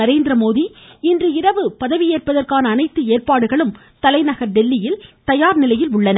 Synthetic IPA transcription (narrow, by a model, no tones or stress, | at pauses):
ɐɾeːnd̪ɾɐmoːðiɪndrɯɪɾɐʋɯpɐðɐʋɪjeːrpɐðɐrkaːnɐːnɐɪt̪ːɯeːrpaːɽɯɣɐɭɯm | t̪ɐlɐɪnɐɣɐɾɖɛlːɪjɪlt̪ɐjaːɾnɪlɐjɪlʊɭːɐnɐ